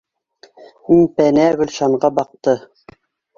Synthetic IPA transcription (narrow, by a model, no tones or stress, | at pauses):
minpænæɣɵ̆lʃɑɴɢɑbɑq̚t̪ɤ